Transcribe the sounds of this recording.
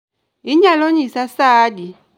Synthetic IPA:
iɲalɔɲisasaːdi

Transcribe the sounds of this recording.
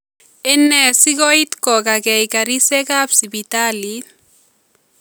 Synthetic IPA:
enɛsikɔit̪kɔkakɛjkaɾisekapsibitali

